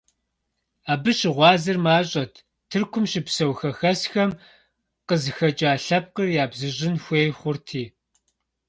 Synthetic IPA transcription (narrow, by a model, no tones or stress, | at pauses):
aːbɨɕɪʁʷɑːzɨrmaːɕʼɐtʰ | tʰɨrkʷʰʊmʃɪpsɐwxɐxɐsxɐm | qəzɨxɐt͡ʃʼaːɬɐp̚qərjaːbzɨʑɪnxʷeːjχʷʊrtʰiː